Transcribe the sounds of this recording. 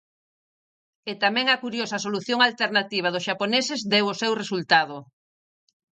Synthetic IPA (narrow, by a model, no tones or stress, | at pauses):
et̪amɛ̃ŋɐkuɾjosɐsoluθjoŋalt̪eɾnat̪iβɐðʊsʃaponesɪzd̪ewosewresult̪að̞o